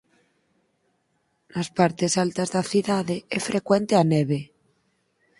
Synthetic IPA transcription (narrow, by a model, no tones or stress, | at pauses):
laspaɾt̪esalt̪azðaθiðaðeefɾʔekwe̞nt̪eaneβe